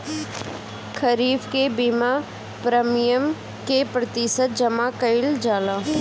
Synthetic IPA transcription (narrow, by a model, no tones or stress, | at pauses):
kʰəɾiːbkebiːma | pɾəmɪjəm | kepɾət̪ɪsət̪̚d͡ʒɐmaːkəɪld͡ʒaːlãː